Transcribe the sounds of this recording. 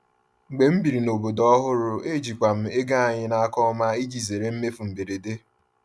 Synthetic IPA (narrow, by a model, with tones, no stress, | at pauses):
ŋ͡m̩˨ɡ͡be˨m̩˦bi˨ɾi˨no˨bo˨dɔ˦ɦʊ˦ɾʊ˦e˦d͡ʒi˨kʷa˨m̩˦e˦ɡa˦a˨ɲɪ˦na˨a˦kɔ˦ma˦i˦d͡ʒi˨ze˨ɾe˦m̩˦me˦fu˨m̩˨be˨ɾe˨de˦